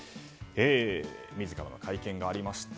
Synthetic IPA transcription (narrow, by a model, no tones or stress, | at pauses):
eːmʲizɨkaɾano̞̰kʰaikẽ̞ŋɡaːɾʲimaɕi̥t̪